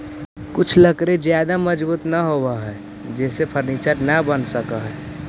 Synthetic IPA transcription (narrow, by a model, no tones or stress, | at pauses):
kut͡ʃʰləkɾed͡ʒjad̪aməd͡ʒbuːt̪nəɦobəɦɛ | d͡ʒɛːsepʰəɾnit͡ʃəɾnəbənsəkəɦɛ